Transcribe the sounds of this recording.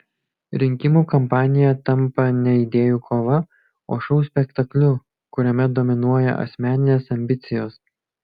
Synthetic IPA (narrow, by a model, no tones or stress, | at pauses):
ɾʲɪŋʲkʲɪmuːˑkɔmpɑːnʲɪjɛt̪ɐmˑpɐnʲɛid̪ʲeːjuːkʰoːʋɐ | oːʃɔʊsʲpʲɛkt̪ɐklʲʊ | kʊɾʲɛmʲɛd̪ɔmʲɪnuɔjɛ̰ʔɐ̰sʲmʲæːnʲɪnʲeːsɐmʲbʲɪt̪sʲɪjoːs